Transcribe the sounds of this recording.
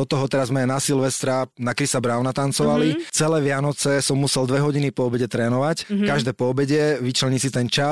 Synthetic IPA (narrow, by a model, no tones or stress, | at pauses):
ɔt̪ɔɦɔt̪ɛɾazmɛanasilʋɛst̪ɾanakɾisabɾaːʊnat̪ant͡sɔʋalit͡sɛlɛːʋɪanɔt͡sɛsɔmːusɛld̪ʋɛɦɔɟinipɔːbɛɟɛt̪ɾɛːnɔʋackaʒd̪ɛːpɔɔbɛɟɛʋit͡ʃlɛɲisit̪ɛnt͡ʃa